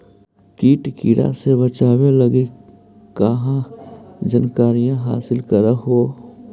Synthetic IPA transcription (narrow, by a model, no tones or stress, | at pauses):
kiːʈkiːɽa̰sebət͡ʃaːweləɡi | kəɦãd͡ʒənkaːɾijãɦa̰ːsɪlkəɾəɦo